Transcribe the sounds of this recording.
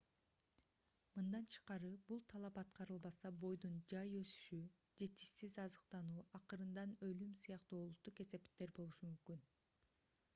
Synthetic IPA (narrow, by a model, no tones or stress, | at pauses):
mɯnd̪ɑnt͡ʃʰɯ̥qɑɾɯbulˠt̪ʰɑlˠɑpɑt̪̚qʰɑɾɯlˠbɑsɑbo̞jd̪und͡ʒɑjøsy̥ʃy | d͡ʒe̞t̪i̥ʃsizɑzɯqt̪ɑnuːʔɑqɯɾɯnd̪ɑnø̞lymsɯjɑqt̪uolˠut̪ːuqe̞se̞pt̪ːe̞ɾbo̞lˠuʃumymkyn